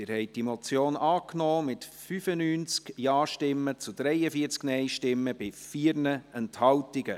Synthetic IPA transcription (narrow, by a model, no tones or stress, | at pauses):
ɪɾhɛɪt̚d̥imot͡sjoːnʔɑːknɔːmɪtfyfənyːnt͡skjɑːʃtɪmːət͡sud̪̥ɾɛɪəfiəɾt͡sknɛɪʃtɪmːəb̥ɪfiːɾnəɛnthɑwtɪɡə